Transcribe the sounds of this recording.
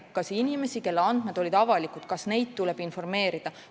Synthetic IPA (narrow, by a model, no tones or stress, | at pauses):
kɑsinime̞sike̞lːeɑnd̪̥med̪̥o̞lʲid̪̥ɑvɑlikud̪̥kɑsne̞jd̪̚t̪ule̞b̥info̞rme̞ːɾid̪̥ɑ